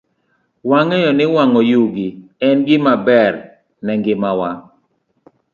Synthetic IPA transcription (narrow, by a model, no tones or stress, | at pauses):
waŋɛjɔnɪwaŋɔjuɡiɛnɡɪmabɛɾ | nɛŋɡɪmawa